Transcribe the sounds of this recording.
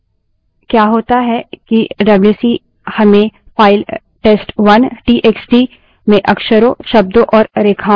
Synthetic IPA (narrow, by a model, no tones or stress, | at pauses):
kjaːɦoːt̪aɦɛkiɖɐbljuːsi | hɐmẽ | faːɪl | ʈeːsʈʋɐnʈiːʔeːksʈi | mẽʔɐkʃəɾõʃɐb̚d̪õʔɔːɾɾeːkʰaː